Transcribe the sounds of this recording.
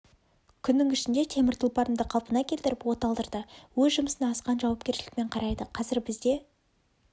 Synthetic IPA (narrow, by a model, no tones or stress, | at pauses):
kʲʰʏnːɪŋɪʃɪnd̪e̞t̪ʰe̞mɪɾt̪ʰʊlˠpɑɾəmd̪əqʰɑlˠpənɑkʲʰe̞lt̪ɪɾɪpwo̞t̪ɑlˠd̪əɾd̪əwɵzʒʊməsənɑɑsqɑnʒɑwɑp̚kʲe̞ɾʃɪlɪk̚me̞ɴqʰɑɾɑjd̪əqʰɑzɪɾbɪzd̪e̞